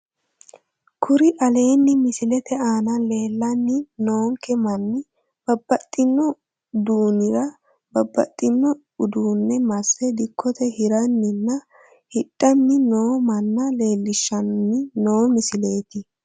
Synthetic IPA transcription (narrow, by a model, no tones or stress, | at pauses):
kʰʊɾɪʔɐle̞ːnːɪmɪsɪlɛt̪ɛaːnɐle̞ːlːɐnːɪno̞ːŋkɛmɐnːɪ | b̥ɐbːɐt̪ʼːɪnːɔ | d̪uːnɪɾɐ | bɐbːɐ̰t̪ʼːɪnːɔ | ʊd̪uːnːɛmɐsːɛd̪ɪkʰːɔt̪ɛhɪɾɐnːɪnːɐ | hɪɗʼːɐnːɪno̞ːmɐnːɐle̞ːlːɪʃːɐnnːɪno̞ːmɪsɪle̞ːt̪ɪ